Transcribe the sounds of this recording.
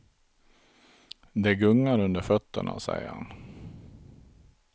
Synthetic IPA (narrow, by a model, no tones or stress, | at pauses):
d̪ɛɡɵŋːaɾɵnd̪əɾfœt̪ːə̰ɳa̰sɛ̰jəɾha̰n